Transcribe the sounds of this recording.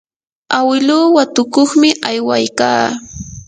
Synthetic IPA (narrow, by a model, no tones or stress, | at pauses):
awɪluːwat̪ʊkoχmɪʔajwajkaː